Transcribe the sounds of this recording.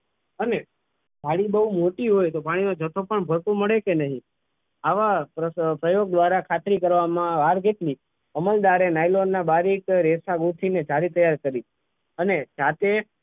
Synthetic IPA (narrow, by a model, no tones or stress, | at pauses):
əne | d͡ʒʱaɽibəɦumoʈiɦojt̪opaɽ̃inod͡ʒət̪ʰopəɳbʱəɾpũməɭekenəɦĩ | aʋapɾəpɾəjoɡ̚d̪ʋaɾakʰat̪ɾikəɾʋamãʋaɾɡet̪li | əməld̪aɾenajlonːabaɾikɾesaɡut̪ʰined͡ʒaɾit̪əjːaɾkəɾi | əned͡ʒat̪e